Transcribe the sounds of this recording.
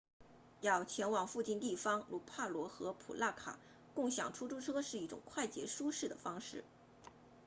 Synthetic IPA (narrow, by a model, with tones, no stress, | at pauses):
jɑ˥˩ʊt͡ɕʰjɛ˧˥nwɑ˨˩ŋfu˥˧t͡ɕi˥˧nt̪i˥˩fɑ˥ŋɻu˧˥pʰa˥˩lwɔ˧˥xɤ˧˥pʰṵ˨˩la˥˩kʰa̰˨˩˦ | kʊ˥˩ŋɕjɑ̰˨˩ŋʈ͡ʂʰu˥ʈ͡ʂʰu˥ʈ͡ʂʰɤ˥ʂɻ̩˥˧i˥˩ʈ͡ʂʊ̰˨˩ŋkʰwa˥˩ɪt͡ɕjɛ˧˥ʂu˥ʂɻ̩˥˩d̪ə˩fɑ˥ŋʂɻ̩˥˩